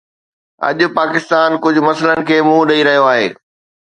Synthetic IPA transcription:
ɐ̰ʄʊpaːkɪst̪aːnkʊd͡ʑʱʊ̆mɐsələnɪ̆kʰeːmũːɗɐiɾɐɦijoaːɦḛː

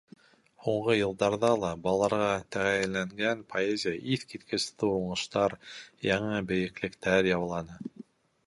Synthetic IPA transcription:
huɴʁɤjɤ̆lˠd̪ɑɾðɑlˠɑbɑllˠːɑɾʁɑt̪æʁæjɘ̆lːæŋɡænpʰoezʲɪjəʔiθkit̪kʰɘ̆st̪ɘuɴɤ̆ʃt̪ɑɾjɑɴɤbɘ̆jɘ̆klɘ̆kt̪æɾjɑwlˠɑnɤ

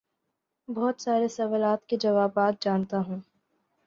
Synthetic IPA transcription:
bɔɦt̪saːɾesɐʋəlaːt̪ked͡ʒɐʋaːbaːt̪̚d͡ʒaːnt̪aɦũː

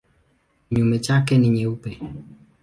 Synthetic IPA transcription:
ɲumɛt͡ʃakɛniɲɛupɛ

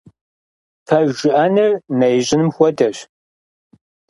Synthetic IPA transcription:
fʰɐʒʒɪʔɐnɐrnɐjʑʼɪnɨmxʷɔdɐɕ

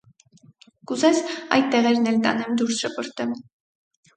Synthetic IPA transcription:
kuzɛsɑ̰jt̪̚t̪ːɛʁɛɾnɛlt̪ɑ̰nɛmd̪uɾsʃəpʰəɾt̪ɛm

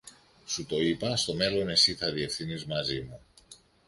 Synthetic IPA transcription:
sut̪o̞ipɐst̪o̞me̞lo̞ne̞siθɐðie̞fθinizmɐzimu

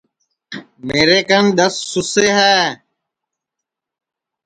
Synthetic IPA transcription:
meːɾeːkənɗ̪əsːʊseːɦɛː

